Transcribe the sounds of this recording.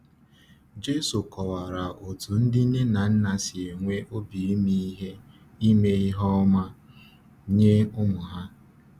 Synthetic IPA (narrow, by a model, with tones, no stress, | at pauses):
d͡ʒe˦su˨kɔ˨wa˨ɾa˨ʔo˨tu˨n̩˦dɪ˦ne˦na˨n̩˦na˨sɪ˨e˨ŋʷe˦ʔo˦bi˨i˦mi˦i˦ɦe˦ | i˦me˦i˦ɦɔ˦ma˦ | ɲe˦ʊ˦mʊ˨ɦa˦